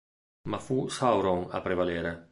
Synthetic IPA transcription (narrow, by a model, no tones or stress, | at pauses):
mafusawɾoŋa̰pɾevaleːɾe